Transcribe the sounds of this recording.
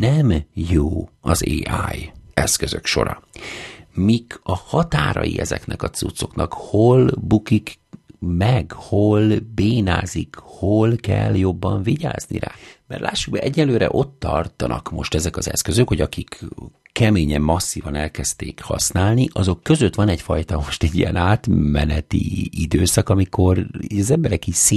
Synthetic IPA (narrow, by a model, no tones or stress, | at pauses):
nɛmjoːɒzeːaːjɛskøzøkʃo̞̰ɾɒ̰ | mikɒhɒt̪aːɾɒ̰jḭʔɛzɛ̰knɛkɒt̪sut̪so̞knɒkho̞lbukikmɛɡho̞lbeːnaːzikholkɛljo̞bːɒɱviɟaːznḭɾa̰ːmɛrlʔaːʃːuɡ̚bɛʔɛɟːɛløːɾɛ̰ʔo̞t̪ːɒrt̪ɒnɒkmo̞ʃt̪ɛzɛkɒzɛ̰skø̞zøkho̞ɟɒkikkɛmeːɲɛmːɒsːiːvɒnɛlkɛst̪ḛːkhɒ̰snaːlniʔɒzo̞kːø̞zøt̪ʋɒnɛɟfɒjt̪ɒmo̞ʃt̪ɛɟːijɛnaːt̪mɛnɛt̪ḭid̪øːsɒkɒmikʰo̞riɒzɛmbɛɾɛkiseː